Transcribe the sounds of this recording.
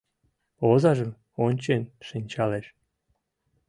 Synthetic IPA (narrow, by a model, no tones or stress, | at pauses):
ozɑʒɤ̆m | onʲt͡ɕenʲʃɨnʲt͡ɕɑleʃ